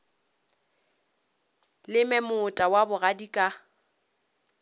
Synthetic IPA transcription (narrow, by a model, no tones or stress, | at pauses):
lɪmɛmʊtʼawabʊɣadikʼa